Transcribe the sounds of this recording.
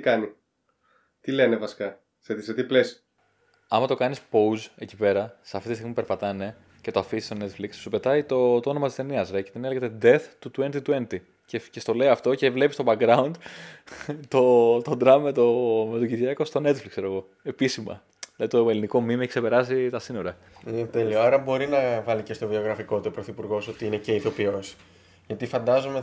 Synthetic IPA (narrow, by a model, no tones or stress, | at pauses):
t̪ikɐni | t̪ilenevɐsi̥kɐ | set̪iset̪iples | ɐmɐt̪o̞kɐnispo̞uze̞cipe̞ɾɐseɐft̪it̪ist̪ɣmipeɾpɐt̪ɐne̞ | ce̞t̪oɐfisi̥st̪o̞ne̞t̪flikssupe̞t̪ɐit̪o̞t̪o̞nomɐt̪ist̪e̞niɐzɾecet̪ine̞leɣet̪ed̪e̞θt̪ut̪ue̞nt̪it̪ue̞nt̪i | cece̞st̪o̞le̞iɐft̪o̞ce̞vle̞pist̪o̞bɐɡɾɐund̪ | t̪o̞t̪o̞d̪ɾɐmːet̪ome̞t̪oɟiðʝɐko̞st̪o̞ne̞t̪fliksse̞ɾo̞ɣo̞ | e̞pisimɐ̰ | ðilɐðit̪oeliniko̞mimekse̞pe̞ɾɐzit̪ɐsino̞ɾɐ | inet̪e̞lioɐɾɐbo̞ɾinɐvɐlicest̪o̞vio̞ɣɾɐfiko̞t̪iopɾoθipuɾɣo̞so̞t̪iineceiθo̞pios | ʝɐt̪ifɐnd̪ɐzome